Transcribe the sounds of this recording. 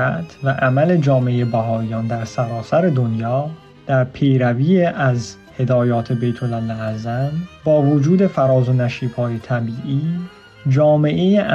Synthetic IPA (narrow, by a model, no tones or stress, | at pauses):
æt̪ʰvæʔæmæle̞d͡ʒɒːmeejebæɦɒːijɒːnd̪æɾsæɾɒːsæɾe̞d̪o̞njɒː | d̪̥æɾpʰe̞jɾæviːeʔæz | he̞d̪ɒːjɒːt̪ʰe̞be̞jt̪ʰolælːææzænbɒːvod͡ʒuːd̪e̞fæɾɒːzo̞næʃiːbhɒːjet̪ʰæbiːʔiː | d͡ʒɒːme̞ʔejeʔ